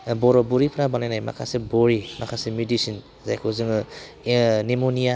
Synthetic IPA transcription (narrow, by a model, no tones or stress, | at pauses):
bɔɾɔbuɾipʰɾabanajnajma̰kʰa̰sebɔɾimakʰasemjudisin | zajkʰozɯŋɯ | nimonija